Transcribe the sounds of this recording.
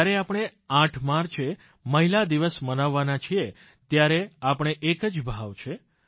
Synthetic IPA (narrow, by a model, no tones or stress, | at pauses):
ɾeapəɳ̃eãʈʰmaɾt͡ʃʰe | məɦilad̪iʋəsmənaʋːanat͡ʃʰie | t̪jaɾeapəɳ̃eʔekəd͡ʒbʱaʋt͡ʃʰe